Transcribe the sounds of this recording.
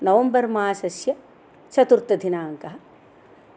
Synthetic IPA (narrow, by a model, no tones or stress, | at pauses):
nɐʋɐmbɐɾmaːsɐsjɐ | t͡ʃɐt̪uɾt̪ːɐd̪ʱinaːŋkɐɦɐ